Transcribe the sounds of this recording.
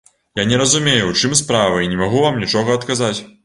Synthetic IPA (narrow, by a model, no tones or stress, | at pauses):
janʲɛɾɐzumʲejut͡ʂɨmspɾavɐinʲɛmaɣuvamnʲit͡ʂɔɣɐɐt̪kazat͡sʲ